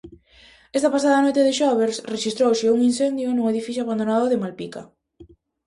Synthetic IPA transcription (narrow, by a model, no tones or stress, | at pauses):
ɛst̪apas̬aðɐnojt̪eðɪʃɔβeɾsreʃist̪ɾowsɪuŋinsɛnd̪jʊnuŋeðifiθjoaβand̪onaðʊðɪmalpika